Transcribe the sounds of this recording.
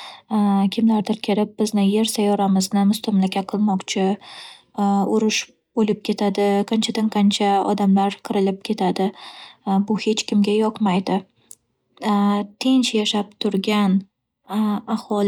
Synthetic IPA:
kʲʰɪmlaɾt̪ʰɪɾkʲʰɪɾɪp̚bɪznɪje̞ɾsajɒɾamɪznɪmʊst̪ʰʊmlakʲʰaqʰɨlˠmɒqt͡ʃʰɪ | ʊɾʊʃ | bolɪp̚kʲe̞t̪ʰad̪ɪqʰɑnt͡ʃʰad̪aŋqʰɑnt͡ʃʰaɒ̰d̪amlaɾqʰɨɾɪlɪp̚kʲʰe̞t̪ʰad̪ɪ | bʊhe̞t͡ʃkʲɪmɡʲajɒqmajd̪ɪ | t̪ʰent͡ʃjaʃap̚t̪ʰʊɾɡʲan | ahɒl

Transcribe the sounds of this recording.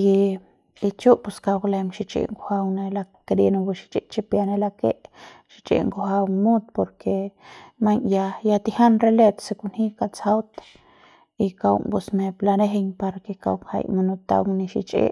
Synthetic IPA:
i | it͡ʃuʔpuskawlemʃit͡ʃʼḭʔŋkohawnelakɾenobuʃi̥t͡ʃʼiʔt͡ʃipjanelakeʔʃi̥t͡ʃʼḭʔŋkohawmud̪̚poɾkʰemaɲjajat̪ihanrelet̪sekunhikat͡sawt̪ḁ | ikaw̰ŋpusmeplaneɦeɲpaɾakeka̰wŋha̰jmanot̪a̰wŋniʃḭt͡ʃʼḛʔ

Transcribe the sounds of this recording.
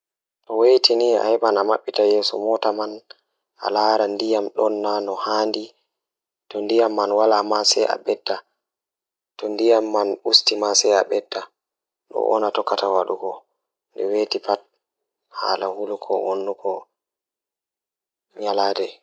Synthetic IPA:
ɗɔwejtʰinia̰hɛɓanamaɓːitajɛːsɔmɔtaman | ʔa̰laːɾandijamɗɔnːanɔhaːndi | tɔndijamːanwalamasɛa̰ɓɛdːa | tɔndijamːanustimasɛa̰ɓɛdːa | ɗɔ̰ʔɔ̰natɔkːatawaɗuɡɔ | ndɛwetipat̚ | ha̰ːlahulukʰɔ̰wonːukɔ | ɲalaːdɛ

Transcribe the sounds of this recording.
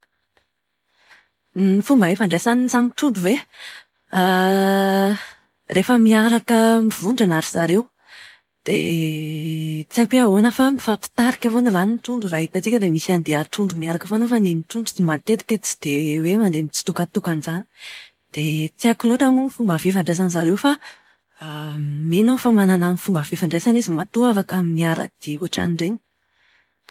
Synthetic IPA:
ifumbaɦefaɳɖ͡ʐesanizamit̪unɖ͡ʐuve | a | refəmiaɾakəmivuɳɖ͡ʐanaɾiz̥aɾew | d̪̥ḛ | t͡siapiaɦonəfamifapi̥t̪aɾikʲavonilanint̪uɳɖ͡ʐuɾaɦit̪ət͡sikʲəd̪emisiand̪eat̪unɖ͡ʐumiaɾakəfanofanenit̪uɳɖ͡ʐut͡simat̪et̪i̥t̪et̪t͡si̥d̪̥ewemand̪emit͡si̥t̪ukat̪ukanizani̥ | d̪̥et͡siakiloʈ͡ʂamunifumbəvefaɳɖ͡ʐes̬anzaɾewfa | menofamanananifumbəvefaɳɖ͡ʐesanezimat̪uafakamimiaɾa̰kd̪̥iuaʈ͡ʂa̰niɳɖ͡ʐeɲi̥

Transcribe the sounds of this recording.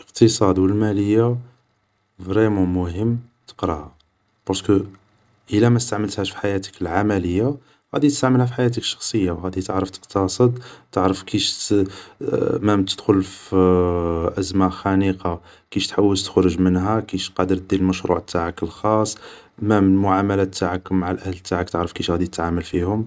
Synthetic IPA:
ləqt̪əsˤɑd̪wəlmæləjːa | vɾimæmʊhəmː | t̪ə̥qɾɑhæ | b̥ɑɾˤskə | ʔəlæmæt̪st̪aʕməlt̪hæʃfi̥ħajæt̪ə̥kəlʕamæləjːa | ɣæ̰d̪it̪əst̪aʕməlhæfiħajæt̪əkʃːɑ̥xsˤəjːawɣæd̪it̪əʕɾəft̪ə̥qt̪ɑsˤəd̪t̪əʕɾəfkiʃ | mæmt̪əd̪xʊlf | ʔæzmaxæniqɑ | kiʃt̪ħawːəlt̪ə̥xɾʊʒmənɦækiʃqɑd̪əɾt̪̚d̪ilməʃɾṵʕt̪ʰːaʕakəlxɑsˤː | mæməlmʊʕamælæt̪ʰːaʕakmaʕalʔæhlt̪ːaʕakt̪əʕɾəfkiʃɣæd̪it̪ət̪ʕaməlfihʊm

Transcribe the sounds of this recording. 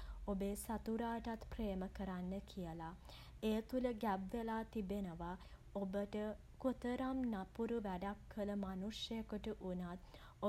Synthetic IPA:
obeːsat̪uɾaːʈat̪preːməkəɾanːəkʰijəla | eːt̪uləɡæbʋelaːt̪ibenəʋa | obəʈə | kot̪əɾamnapuɾuʋæɖakʰːələmanuʂjəjəkəʈəʔunat̪ | o

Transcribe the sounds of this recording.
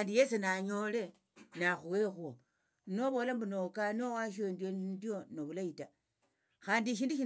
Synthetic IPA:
ndijesunaɲo̞le̞ | naxuwexuo | no̞βo̞lambunokanowaʃ̬endjonndjo̞noβulaita | xaːndiʃ̬iːnduʃi

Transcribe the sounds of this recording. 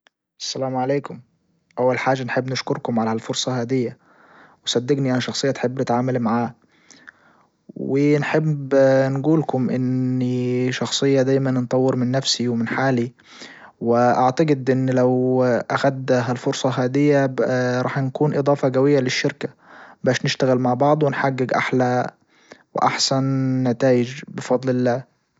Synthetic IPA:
ʔæ̥sːælaːmʕaleːkʊm | ʔawːalħaːʒːanħebːnɪʃkʊɾkʊmʕalhælfoɾsˤɑɦaːd̪ɪjːa | wɪsˤɑd̪ːɪɡniʔænʃɑxsˤɨjːɑt̪ħebːnɪt̪ʕaːmalmaʕaː | wɪnħebːnɡuːlkʊmʔɪnːiʃɑxsˤɨjːɑd̪æːjmannt̪ˤɑwːɪɾmɪnːæfsiwmɪnħaːli | wɪʔaʕt̪aɡɪd̪ʔɪnːlawʔaxad̪ɦalfʊɾsˤɑɦaːd̪ɪjːaɾˤɑːħnkuːnʔɨd̪ˤɑːfɑɡawɪjːalɪʃːɪɾka | baːʃnɪʃt̪aɣɪlmaʕbɑʕd̪ˤwɪnħaɡːɪɡʔa̰ħla | wɪ̰ʔaħsanːat̪aːjɪd͡ʒbɪfɑd̪ˤlɪlːaː

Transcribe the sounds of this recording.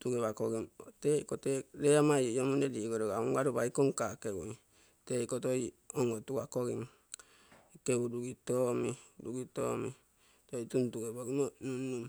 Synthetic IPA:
tuɡeβakoɡimotekoteɾeamajojomunediɡoɾoɡauŋɡaɾubaikoŋkakeṵi | tekotojoŋɡotuɡakoɡim | keuduɡitomiduɡito̰mḭ | tojtuntuɡeboɡimonunːum

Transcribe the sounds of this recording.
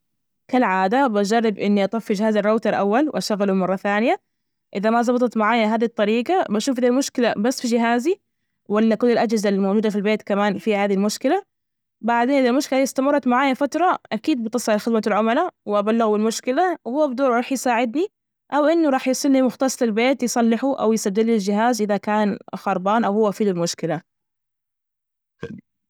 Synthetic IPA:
kalʕaːd̪abad͡ʒɑrˤːɪbʔɪnːiʔɑt̪ˤɑfːɪd͡ʒɪhaːzɪrˤːoːt̪ɑɾˤʔawːalwʔaʃaɣːalumɑrˤːɑθaːnɪja | ʔɪðamazˤɑbɑt̪ˤɑt̪maʕaːjaɦaːðit̪ˤːɑɾiːɡɑbaʃuːfd̪aːlmʊʃkɪlabasːfid͡ʒɪɦaːzi | walːakʊlːɪlʔad͡ʒhɪzalmawd͡ʒuːd̪afilbeːt̪kamaːnfihaːðilmʊʃkɪla | baʕd̪eːnʔɪd̪almʊʃkɪlaɪst̪amɑrˤːɑt̪maʕaːjafat̪ɾˤɑʔakiːd̪̚bɪt̪ːɨsˤɪʕlxɪd̪malʕʊmalawɪʔabalːɪɣbɪlmʊʃkɪlawhʊwːabɪd̪uːɾˤɾuːħjsaːʕɪd̪ni | ʔawʔɪnːʊɾˤɑːħjɑsˤilnimʊxt̪ɑsˤlɪlbeːt̪jsˤɑlːɪħuʔa̰wjɪsad̪ːɪlːɪld͡ʒɪɦaːzʔɪðakaːnxɑɾˤbaːnʔawhʊwːafiːd̪ʊlmʊʃkɪla

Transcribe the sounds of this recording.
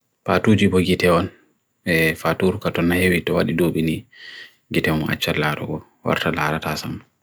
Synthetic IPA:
patud͡ʒibɔɡitɛɔn | ɛfatuɾkatɔnːahewitɔwaɗidoɓini | ɡitɛɔna̰t͡ʃːalaɾɔ̰ɡɔ | wa̰ɾtalaɾatasam

